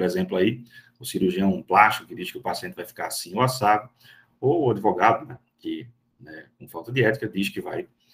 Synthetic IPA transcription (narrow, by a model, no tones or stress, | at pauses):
ɾɛzẽmplʊai | ʊsiɾuʒiɐ̃w̃ũplaʃt̪i̥kʊkɪd̪iʃkɪʊpasiẽt̪ɪvajfi̥kaɾsĩʊasavʊ | oːad̪ivɔɡad̪ʊnɛ | kɪ | nɛkõfawˠt̪ɐd̪ɪɛt̪i̥kɐd̪iskɪvaj